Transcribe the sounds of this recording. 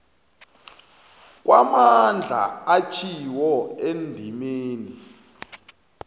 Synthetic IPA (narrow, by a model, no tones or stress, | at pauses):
k̬wamand͡ɮʱa̰at͡ʃʰiwɔendʱimeːni